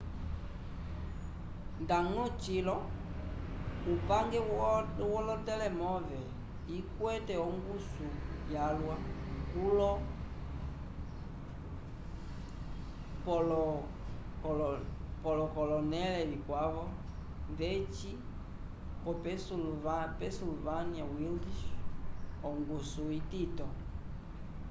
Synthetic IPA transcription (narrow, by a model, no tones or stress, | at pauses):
ndaŋɔt͡ʃilɔ | upaŋɡɛwɔlɔtɛlɛmɔvɛ | ikwɛtɛɔŋɡusujjalwa | kulɔ | pɔlɔ | kɔlɔpɔlɔkɔlɔnɛlɛβikwaβɔ | nðɛt͡ʃi | kɔpɛsuvpɛsilvaniawildiʃ | ɔŋɡusuititɔ